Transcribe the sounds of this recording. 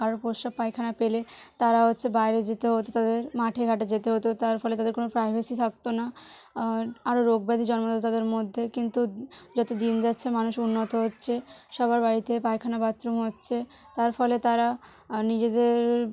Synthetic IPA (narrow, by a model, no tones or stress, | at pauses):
kaɾopoʃab̚pajkʰanapelet̪aɾaɦotːɕʰebajɾed͡ʑet̪eɦot̪ot̪ad̪eɾmaʈʰeɡʱaʈed͡ʑet̪eɦot̪et̪aɾfɔlet̪ad̪eɾkonopɾajbʱasit̪ʰak̚t̪ona | aɾoɾoɡbad̪ʱid͡ʑɔnmod̪t̪t̪ad̪eɾmod̪ʱːekint̪ud͡ʑɔt̪od̪ind͡ʑatːɕʰemanuʃunːot̪oɦotːɕʰeʃɔbaɾbaɾit̪epajkʰanabat̪ɾomɦotːɕʰe | t̪aɾfɔlet̪aɾa | nid͡ʑed̪eɾ